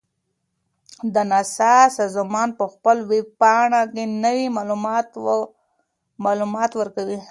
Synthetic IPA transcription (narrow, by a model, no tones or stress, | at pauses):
d̪ənasɑsɑzmɑnpəxpəlweɡ̚pɑɳakenəwimalt̪ | mɑlumɑt̪wəɾkawi